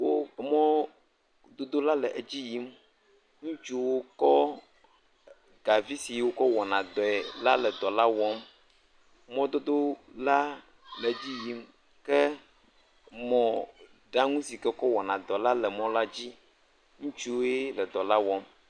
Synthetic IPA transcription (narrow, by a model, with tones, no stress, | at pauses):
wo˦˨mɔ̃˦ | d̪o˦d̪o˦la˦lɛ˨ʔe˨d͡ʑi˦ji˦m | ŋũ˦t͡ʃu˦wo˦kɔ˦ | ɡa˨vi˦si˨˦wo˦kɔ˦wɔ˨nã˨d̪ɔ˨ɛ˨la˦lɛ˨d̪ɔ˨la˦wɔ˦m | mɔ̃˦d̪o˦d̪o˦la˦ | lɛ˨d͡ʑi˦ji˦m | kɛ˦ | mɔ̃˨ | ɖa˦ŋũ˦si˨kɛ˦kɔ˦wɔ˨nã˨d̪ɔ˨˦la˦lɛ˨mɔ̃˦la˦d͡ʑi˦ | ŋũ˦t͡ʃu˦wo˦je˦lɛ˨d̪ɔ˨la˦wɔ˦m